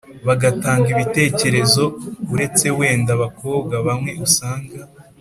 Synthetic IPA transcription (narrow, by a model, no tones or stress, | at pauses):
βaɡataːŋɡiβite̞ːce̞ɾe̞zo̞uɾe̞t͡se̞we̞ːndaβako̞ːb̚ɡaβamŋe̞ʔusaːŋɡa